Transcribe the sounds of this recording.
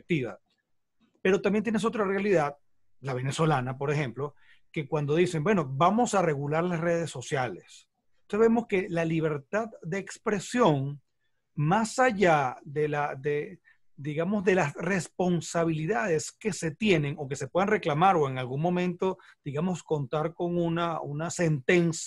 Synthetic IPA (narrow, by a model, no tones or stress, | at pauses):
k̚t̪iβa̰ | pe̞ɾo̞t̪ambjet̪jenesot̪̬ɾarealiðað | laβ̞e̞ne̞so̞lanapo̞ɾe̞xe̞mplo̞ | ke̞kwand̪o̞ðise̞ŋbwe̞no̞bamo̞sare̞ɣulaɾlasre̞ð̞e̞sːo̞sjale̞s | oseβemo̞ske̞laliβ̞e̞ɾt̪aðd̪e̞ːkspɾe̞sjo̞ŋ | masaʝaðelaðe | d̪iɣamo̞zðe̞lasre̞spo̞nsaβ̞iliðaðe̞ske̞se̞t̪je̞ne̞ŋo̞ke̞se̞pwe̞ð̞anre̞klamaɾo̞e̞ŋalɡuŋmomẽ̞nt̪o̞d̪̥iɣamo̞sko̞nt̪aɾko̞ŋunaunase̞nt̪ens